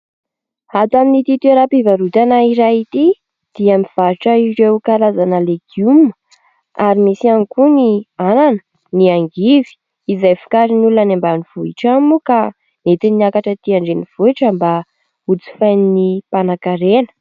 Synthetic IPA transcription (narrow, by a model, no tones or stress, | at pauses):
at̪aminit̪it̪ueɾapivaɾut̪anaiɾajit̪i | d̪̥iamiv̥aɾiʈ͡ʂaiɾewkalazanəleɡ̥jumə | aɾimisiankuniananə̥ | niaŋɡivi̥ | izajfi̥kaɾinulnanambaniv̥uiʈ͡ʂamuka | net̪iniakaʈ͡ʂət̪iaɳɖ͡ʐeniv̥uiʈ͡ʂəmba | ut͡si̥fajninipanakaɾenə̥